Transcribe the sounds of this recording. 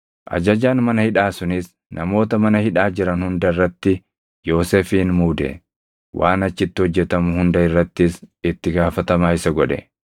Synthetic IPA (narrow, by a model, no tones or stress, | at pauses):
ʔɐ̰d͡ʒɐd͡ʒaːnmɐnɐhɪᶑaːsʊnɪs | nʔɐmo̞ːt̪ɐmɐnɐhɪᶑaːd͡ʒɪɾɐnhʊnd̪ɐɪrːɐt̪ːɪ | jo̞ːseːfiːnmuːd̪ɛ̰ | wʔaːnɐt͡ʃːɪt̪ːɪhɔd͡ʒːɛt̪ɐmʊhʊnd̪ɐɪrːɐt̪ːɪsɪt̪ːɪɡaːfɐt̪ɐmaːɪsɐɡɔᶑɛ̰